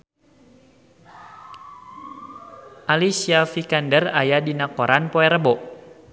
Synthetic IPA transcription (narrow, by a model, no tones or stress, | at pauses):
ʔalisiafikandərajadinakoɾanpɔɛɾəbɔʔ